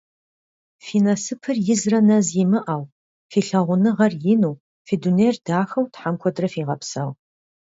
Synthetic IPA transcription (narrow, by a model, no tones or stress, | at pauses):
fiːnɐsɨpʰɨrjɪzrɐnɐzjɪmɨʔaːw | fiːɬɐʁʷʊnɨʁɐrjɪnuː | fiːduneːrdaːxɐwtħamkʷʰɔdrɐfiːʁɐpsɐʁ